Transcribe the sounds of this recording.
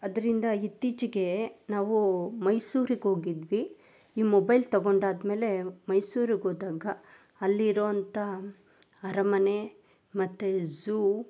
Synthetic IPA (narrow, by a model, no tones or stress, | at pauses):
ɐd̪ɐɾind̪ɐit̪ːit͡ʃiɡe̞naːʋumɐjsuːɾiɡɦo̞ːɡid̪ʋi | iːmobɐjlt̪ɐɡo̞ɳɖaːd̪me̞ːle̞mɐjsuːɾiɡoːd̪aːɡɐː | lːiːɾoːɐnt̪ɐ | ɐɾɐmɐne | mɐt̪ːezu